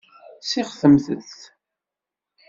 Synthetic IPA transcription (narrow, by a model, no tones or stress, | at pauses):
siχθəmθə̰θ